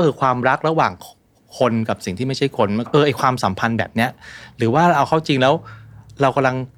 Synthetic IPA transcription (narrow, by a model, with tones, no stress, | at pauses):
ɔ˥˩kʰɯː˧kʰwaː˧mɾa˦˥k̚ɾa˧waː˨˩ŋ | kʰo˧nka˨˩p̚si˨˩ŋt̪ʰiː˥˩ma˥˩t͡ɕʰa˥˩jkʰo˧n˩ʔɤː˧ʔa˧jkʰwaː˧msa˩˦mpʰa˧nbɛ̰ː˨˩p̚ni˦˥ɐɾɯː˩˦waː˥˩˧ʔa˧wxʰa˥˩wt͡ɕi˧ŋlɛː˦˥wɾa˧wka˧mla˧ŋ